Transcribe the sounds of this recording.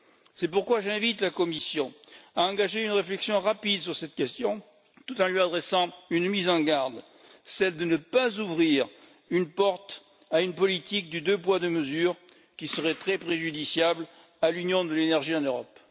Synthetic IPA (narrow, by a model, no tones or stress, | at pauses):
sɛpuʁkwaʒɛ̃vit̪lakɔmisjɔ̃aɑ̃ɡaʒeynʁeflɛksjɔ̃ʁapid̪syʁsɛt̪kʲɛst̪jɔ̃ | t̪ut̪ɑ̃lɥiad̪ʁɛsɑ̃ynmizɑ̃ɡaʁd̪ | sɛld̪ənəpazuvʁiʁ | ynpɔʁt̪ | aynpɔlit̪ik̚d̪yd̪øpwad̪əməzyːʁ | kʲisəʁɛt̪χɛpχeʒyd̪isjabl | alynjɔ̃d̪əlenɛʁʒiɑ̃nøʁɔp